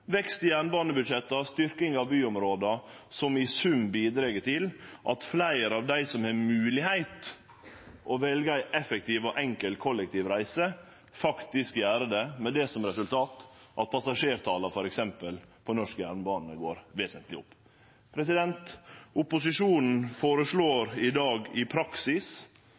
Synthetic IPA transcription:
ʋɛkst̪ɪjæːɳbɑːnəbʉd̪ʂɛt̪ːɑst̪ʏɾkɪŋɑʋbyːʊmɾoːd̪ɑ | sɔmɪsʉmbiːd̪ɾeːɡət̪ʰɪlʔɑt̪flæɪəɾɑʋd̪æɪsɔmhɛmʉːlɪhæɪt̪ | ʔɔʋɛlɡəæɪʔɛfək̚t̪iːʋɔʔɛŋkəlkʰɔlɛk̚t̪iːʋɾæɪsə | fɑkt̪ɪskjæːɾəd̪ɛmɛd̪ɛsɔmɾɛsʉlt̪ʰɑːt̪ʔɑ̰t̪̚pʰɑsɑʂeːɾt̪ʰɑːlɑfɔɾɛksɛmpəlpʰɔnɔʂkəjæɾnbɑːnəɡoːɾʋeːsənt̪ʰlɪʊpː | pʰɾɛsɪd̪ɛnt̪ʊpʊsɪʂuːnn̩foːɾəsɭoːɾɪd̪ɑːɡɪpʰɾɑksɪs

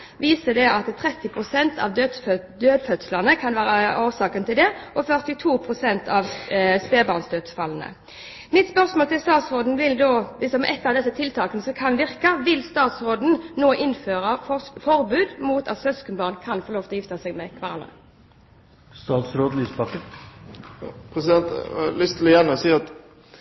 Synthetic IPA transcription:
ʋiːsəd̪ɛʔɑt̪t̪ʰʁɛt̪ːɪpʰʁʊsɛnt̪ʰɑ̰ʋd̪ød̪ | d̪øːd̪fœt̪slənəkʰɑnʋæːʁəoːʁsɑːkənt̪ɪld̪ɛʔɔfœʁt̪ɪt̪ʰuːpʰʁʊsɛnt̪ʰɑʋspeːbɑʁnsd̪øːd̪sfɑlːn̩ə̰ | mɪt̪spœʁsmoːlt̪ɪlst̪ɑːt̪sʁoːd̪n̩ʋɪld̪oːʋɪsɔmʔɛt̪ːɑʋd̪ɛsːət̪ʰɪlt̪ʰɑːkənəsɔkʰɑnʋɪʁkəʋɪlst̪ɑːt̪sʁoːd̪n̩noːʔɪnføːʁəfɔʁbʉːd̪muːt̪ɑ̰t̪sœskənbɑːʁnkʰɑnfɔʁloːft̪ːjɪft̪əsɛɡmɛkʰʋɑʁɑlʁə̰ | st̪ɑːt̪sɾoːd̪̩yspɑkə | pʰɾɛsɪd̪ɛnt̪ɑlʏst̪əlɪjɛnɔsiːɑt̪

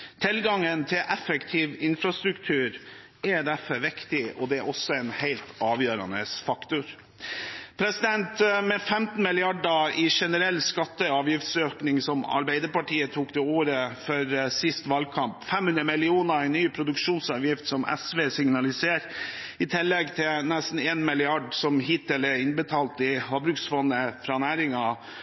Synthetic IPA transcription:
t̪ʰɪlɡɑŋənt̪ʰɪlʔɛfəkt̪ʰiːʋɪnfɾɑst̪ɾʉkt̪ʰʉːɾ | ʔɛd̪æɾfɔɾʋɪkt̪ɪɔd̪ɛæɾʔɔsːɔɛɪnhæɪlt̪ɑːʋjøːɾɑ̰nə̰sfɑkt̪ʊɾ | pʰɾɛsɪd̪ɛnt̪mɛfɛmt̪n̩mɪlɪɑɖəɪʂɛnəɾɛlːskɑt̪ːəɑːʋjɪft̪søːknɪŋsɔmɑ̰ɾbæɪd̪əɾpɑʈʰiːət̪ʰuːkt̪ʰɛoːɾəfœɾsɪst̪ʋɑlkʰɑmpfɛmhʉnɾəmɪlɪuːnəɾæɪnːyːpʰɾʊd̪ʉkʂuːnsɑːʋjɪft̪sɔmʔɛ̰sʋeːsɪŋnɑlɪseːɾ | ɪt̪ʰɪlːɛɡt̪ʰɪnɛst̪n̩eːnmɪlɪɑɖsɔmhɪt̪ːɪləɪnbət̪ʰɑːlt̪ɪhɑbɾʉksfɔnəfɾɑːnæːɾɪŋɑ

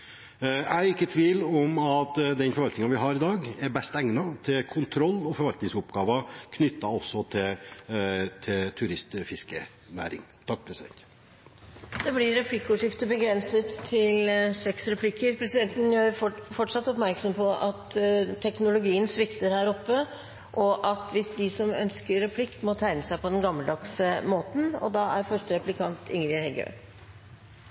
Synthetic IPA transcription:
æɪɪkːət̪ʰʋiːlɔmɑt̪d̪ɛnfɔɾʋɑlt̪ɪŋɑnʋɪɦɑɾɪd̪ɑːɡæɾbɛst̪ɛŋnɑt̪ʰɪlkʰʊnt̪ʰɾɔlːɔfɔɾʋɑlt̪nɪŋsʊpɡɑːʋɑkʰnʏt̪ːɑɔsːɔt̪ʰɪl | t̪ʰɪlt̪ʰʉɾɪst̪fɪskə | næ̰ːɾɪ̰ŋt̪ʰɑk̚ːpʰɾɛsɪd̪ɛ̰nt̪ | d̪̥ɛblɪɾɛpʰlɪkːəʊʂɪft̪əbəɡɾɛnsət̪ʰːɪlsɛksɾɛpʰlɪkːəɾpʰɾɛsɪd̪ɛnt̪n̩jøːɾɔfɔʈʂɑt̪ːɔpmæɾksɔmpʰɔʔɑt̪t̪ʰːɛknʊlʊɡiːənsʋɪkt̪əɾhæːɾɔpːə | ʔɔʔɑt̪ʋɪsd̪ɪsɔmœ̰nskəɾːɛpʰlɪkːmɔt̪ʰæɪnəsæɪpɔd̪ɛnɡɑmːəld̪ɑksəmoːt̪n̩ɔ̰d̪ɑʔæɾfœʂʈəɾɛplɪkʰɑnt̪ʰɪŋɾɪhɛɡø̰ː

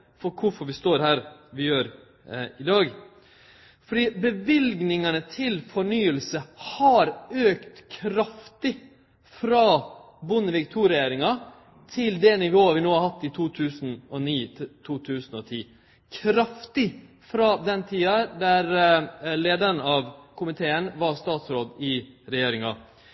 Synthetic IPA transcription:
fɔɾkʰʊfɔɾʋɪst̪oːɾhæːɾʋɪjøːɾ | ɪd̪ɑːɡ | fɔɖiːbəʋɪlɡnɪŋɑnət̪ʰɪlfɔɳyːəlsəhɑɾøːkt̪kʰɾɑft̪ɪ | fɾɑː | bʊnːəʋɪkt̪ʰuːɾɪjeːɾɪŋɑ | t̪ʰɪld̪ɛnɪʋoːɑʋɪnoːhɑɾhɑt̪ːɪt̪ʰuːt̪ʰʉːsnɔniːt̪ʰuːt̪ʰʉːsn̩ɔt̪ʰiː | kʰɾɑft̪ɪ | fɾɑd̪ɛnːt̪ʰiːɑd̪æɾleːd̪əɾnɑːʋkʰʊmɪt̪ʰeːənʋɑɾst̪ɑːt̪sɾoːd̪ɪ | ɾɛjeːɾɪŋɑ̰

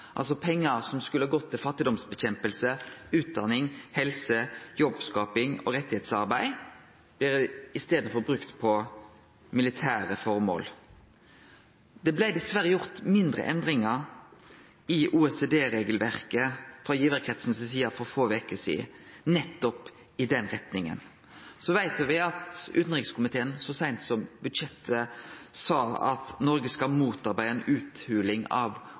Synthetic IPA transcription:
ʔɑ̰lsɔpʰɛŋːəsɔmskʉləhɑːɡɔt̪ʰːɪlfɑt̪ːɪd̪ɔmsbəçɛmpəlsəʉːt̪̚d̪ɑnɪŋhɛlsəjɔbskɑːpɪŋo̰ʁɛt̪ːɪheːt̪sɑʁbæɪ | b̥lɪːʁɪst̪eːd̪n̩fɔʁbɾʉkt̪pʰɔ | mɪlɪt̪ʰæːʁəfɔɾmo̰ːl | d̪ɛblæɪd̪ɪsʋæɾəjʊʁt̪mɪnd̪ʁə̰ʔɛnd̪ʁɪŋɑ | ɪʔuːɛsed̪eːɾeːɡəlʋæʁkəfɾɑjiːʋəɾkʰɾɛt̪sn̩səsiːɑfɔʁfoːʋekəsḭːnɛt̪ːɔp | ɪd̪ɛnʁɛt̪nɪŋə̰n | sɔʋæɪt̪ʋɪɑt̪ʉ̰ːt̪n̩ʁɪkskʰʊmɪt̪ʰeːənsɔsæɪnt̪sɔmbʉd̪ʃɛt̪ʰːəsɑːɑ̰t̪nɔɾɡəskɑmuːt̪ɑʁbæɪəɛnʉːt̪hʉːlɪŋɑ̰ʋ

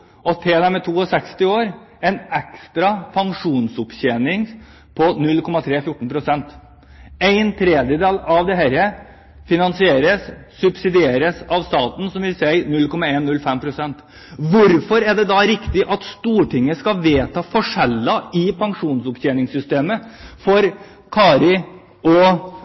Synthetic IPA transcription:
ɔt̪ʰɛd̪æmɛt̪ʰuːɔsɛkst̪ɪoːɾ | ɛɪnɛkst̪ɾɑpʰɑŋʂuːnsʊpçeːnɪŋ | pʰɔnʉlkʰɔmːɑt̪ʰɾeːfjʊʈːɳ̩pʰɾʊsɛnt̪ | æɪnt̪ʰɾeːd̪jəd̪eːlɑʋd̪ɛɦæɾə | fɪnɑnsɪeːɾəsːʉbsɪd̪ɪeːɾəsɑʋst̪ɑːt̪n̩sɔmʋɪlsæɪnʉlːkʰɔmɑeːnːʉlːfɛmpʰɾʊsɛnt̪ | ʋʊɾfɔɾæɖɛd̪ɑɾɪkt̪ɪʔɑt̪st̪uːʈɪŋːəskɑʋeːt̪ʰɑːfɔʂɛlːɑɪpʰɑŋʂuːnsʊpɕeːnɪŋsʏst̪eːməfɔɾ | kʰɑːɾɪ | ɔ

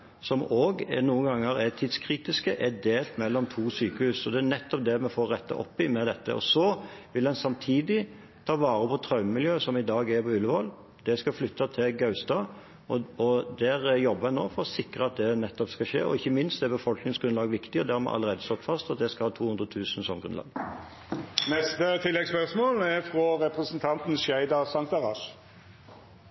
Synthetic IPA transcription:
sɔmoːɡnuːənɡɑŋːəɾɛt̪ʰiːd̪skʰɾiːt̪ɪskəʔɛd̪eːlt̪mɛlːɔmt̪ʰuːsyːkəhʉːsɔd̪ɛænɛt̪ːɔp̚d̪ɛmɛfoːɾːɛt̪ʰːɑ̰ʔɔ̰pːɪmɛd̪ɛt̪ːə̰ʔɔ̰sɔʋɪlɛnsɑmt̪ʰiːd̪ɪ | t̪ʰɑːʋɑːɾəpʰɔt̪ʰɾɑʉməmɪljøːsɔmɪd̪ɑːɡɛɾpɔʉlːəʋɑl | d̪̥ɛskɑflʏt̪ːɑt̪ʰɪlɡɑʉst̪ɑ | ɔɔd̪æʁjɔbːəhɛnːoːfɔɾɔsɪkɾəɑt̪̚d̪ɛnɛt̪ːɔpskɑʃḛːɔ̰ɪçːəmɪnst̪d̪ɛɾbəfɔlknɪŋsɡɾʉnlɑːɡʋɪkt̪ɪɔd̪æɾmɛ̰ʔɑ̰ləʁeːd̪əst̪ɔt̪ːfɑst̪ɑt̪̚d̪ɛskɑhɑːt̪ʰuːhʉnʁət̪ʰʉːsn̩sɔmɡɾʉnlɑ̰ːɡ | nɛst̪ət̪ʰɪlːɛɡspœʁsmoːlɛfʁɔɾɛpʁɛsənt̪ʰɑnt̪n̩ʃæɪd̪ɑʁsɑŋt̪ɑʁɑʃ

